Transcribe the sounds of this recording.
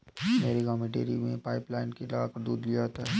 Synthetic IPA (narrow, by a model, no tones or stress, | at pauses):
meːɾiɡaːmẽʈḛːɾimḛ̃paːɪplaːɪnkilaːʋakɐɾd̪uːd̪lijat̪aɦɛ